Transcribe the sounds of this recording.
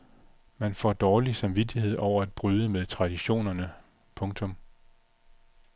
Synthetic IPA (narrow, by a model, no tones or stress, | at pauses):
mænfɒ̰d̥ɒːlisɑ̈mʋid̥ihe̝ð̞̰ˠʔɒʊ̰ɐæd̥̚b̥ʁyðˠəmeð̞ˠt͡sʰʁɑ̈d̥iɕo̝̰ːnɐnə | pʰɔ̽ŋt͡sʰɔ̽m